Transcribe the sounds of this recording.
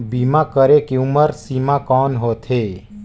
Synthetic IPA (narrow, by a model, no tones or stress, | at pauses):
biːmakəɾekeʊməɾsiːmakɔːnɦoːt̪ʰɦeː